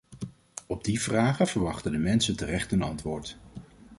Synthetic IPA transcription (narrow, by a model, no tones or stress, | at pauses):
ɔb̚divraːχəvəɹʋɑχtəndəmɛnsəntərɛχtɦənɑntʋʊːɹt